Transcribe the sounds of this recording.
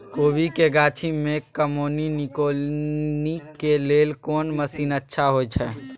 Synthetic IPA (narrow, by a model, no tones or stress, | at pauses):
koːbikeɡaːt͡ʃʰimẽkəmoːninikolnikelelkoːnməsiːnətːʃʰaɦojt͡ʃʰɛ